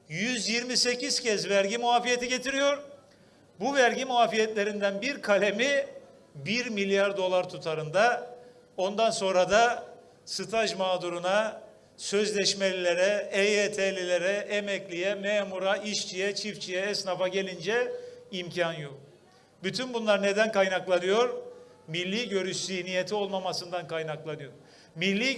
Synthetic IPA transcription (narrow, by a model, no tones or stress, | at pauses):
jyzjiɾmise̞cʰiz̥cʰɛzvæɾɟimuaːfijet̪iɟe̞t̪ʰiɾijo̞ɾ | buvæɾɟimuaːfijɛt̪lʲe̞ɾind̪ænbiɾkʰalʲe̞mi | biɾmilʲjaɾd̪o̞lˠaɾt̪ʰut̪ʰaɾɯnd̪a | o̞nd̪anso̞nɾad̪a | sɯt̪ʰaʒmaːd̪uɾuna | sø̞zlʲɛʃme̞lʲilʲe̞ɾɛɛet̪ʰelʲilʲeɾɛʔɛmɛclʲijɛmemuɾaʔiʃt͡ʃʰijɛt͡ʃʰift͡ʃʰijɛɛsnafaɟe̞lʲind͡ʒɛimcʰanjok | byt̪ʰynbunlˠaɾne̞d̪ænkajnaklˠanɯjo̞ɾ | milʲːiːɟø̞ɾyʃz̥içnijet̪ʰio̞lˠmamasɯnd̪ankajnaklˠanɯjo̞ɾ | milʲːiː